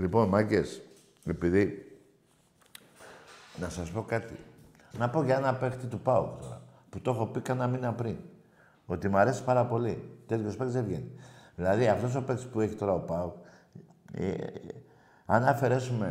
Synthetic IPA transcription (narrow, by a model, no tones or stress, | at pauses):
lipo̞nmɐce̞s | e̞piði | nɐsɐspo̞kɐt̪ḭ | nɐpo̞ʝɐenɐpe̞kt̪it̪upɐukt̪o̞ɾɐ | put̪o̞xo̞pikɐnɐminɐpɾin | o̞t̪imɐɾe̞si̥pɐɾɐpo̞lit̪e̞t̪ço̞spɐksevʝeniðilɐðiɐft̪o̞s̬o̞pe̞ksi̥pueçit̪o̞ɾɐo̞pɐuk | ḛ | ɐnɐfe̞ɾe̞sume̞